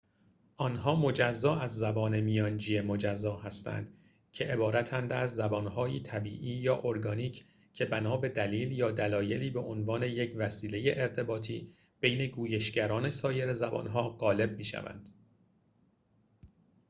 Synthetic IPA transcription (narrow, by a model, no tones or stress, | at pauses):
ʔɒnɦɒːmo̞d͡ʒæzːɒːæzːæbɒːne̞mijɒːnd͡ʒiːjemod͡ʒæzːɒːhæst̪æ̰nd̪̥ | cʰe̞ʔebɒːɾæt̪ʰænd̪æzːæbɒːnɦɒːjiːt̪ʰæbiːʔiːjɒːʔoɾɡɒːniːcʰ | cʰe̞bænɒːbe̞d̪æliːljɒːd̪ælɒːje̞liːbe̞ʔonvɒːne̞je̞cʰvæsiːle̞je̞ʔeɾt̪ʰe̞bɒːt̪ʰiː | b̥e̞jne̞ɡuːjeʃɟæɾɒːne̞sɒːje̞ɾezæbɒ̰nɦɒːɣɒːle̞b̚miːʃæ̰væ̰nd̪̥